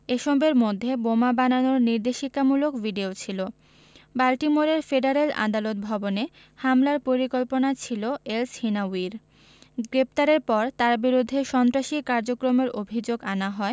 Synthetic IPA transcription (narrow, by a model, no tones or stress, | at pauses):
eʃɔbeɾmod̪ʱːebomabananoɾniɾd̪eʃikamulokbiɖiot͡ɕʰilo | balʈimoɾeɾfeɖaɾela̰d̪alot̪̚bʱɔbone | hamlaɾpoɾikolponat͡ɕʰiloelshinawiɾ | ɡɾept̪aɾeɾpɔɾt̪aɾbiɾud̪ʱːeʃɔnt̪ɾaʃikaɾd͡ʑokɾomeɾobʱid͡ʑoɡanaɦɔe